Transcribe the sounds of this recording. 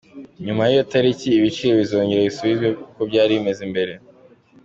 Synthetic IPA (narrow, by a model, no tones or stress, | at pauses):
ɲumajijotaɾiciːβit͡ʃiɾo̞βizo̞ːɲɟeɾaβisuβizɡwe̞kukobɟaːɾiβime̞zimbe̞ɾe̞